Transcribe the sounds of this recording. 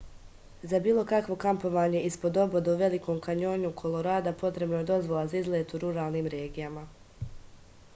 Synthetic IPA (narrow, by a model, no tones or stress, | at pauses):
zabiːlˠo̞kakʋo̞kampo̞ʋaːɲe̞ʔispo̞d̪o̞bod̪auʋe̞liko̞ːmkaɲo̞ːɲukʰo̞lˠo̞ɾaːd̪apo̞t̪ɾe̞bnoje̞d̪o̞zʋo̞lˠazaizlˠet̪uɾuɾaːlˠniːmɾe̞ːɡijama